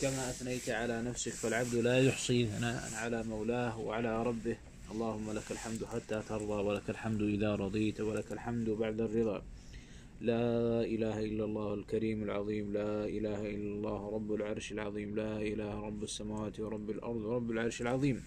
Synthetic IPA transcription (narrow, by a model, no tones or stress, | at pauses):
kamaʔaθnajt̪ʕalanafsɪkfalʕab̚d̪laːjʊħsˤiːθanaːʔa̰nʕalamawlaːhwa̰ʕalaɾˤɑbːɪh | ʔɑlˤːɑːhʊmːalakalħamd̪ħat̪ːaːt̪ɑɾˤðˤɑːwalakalħamd̪ʔɪðaːɾˤɑd̪ˤiːt̪walakalħamd̪baʕd̪arːɨðˤɑ̰ː | laːʔɪlaːhaʔɪlːalˤːɑːhalkaɾiːmalʕɑðˤiːmlaːʔɪlaːhaʔɪlːalˤːɑːhɾˤɑbːalʕɑɾˤʃalʕɑðˤiːmlaːʔɪlaːhɾˤɑbːasːamaːwaːt̪wɑɾˤɑbːalʔɑ̰ɾˤd̪ˤwɾˤɑbːalʕɑɾˤʃalʕɑðˤiːm